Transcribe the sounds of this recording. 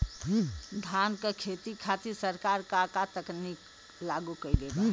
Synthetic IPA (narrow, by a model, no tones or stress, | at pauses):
d̪ʱankekʰet̪ikʰat̪iɾsəɾkaɾkakat̪əknik | laɡukəid̪ebã